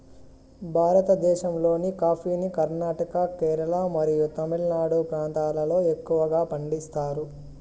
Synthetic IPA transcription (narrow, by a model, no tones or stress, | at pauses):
bʱaːɾɐt̪ɐd̪ɛːʃɐmlo̞ːnikaːpʰiːnikɐɾnaːʈɐkɐkɛːɾɐlɐmɐɾijut̪ɐmilnaːɽupɾaːnt̪aːlɐlo̞ːe̞kːuʋɐɡaːpɐɳɖist̪aːɾu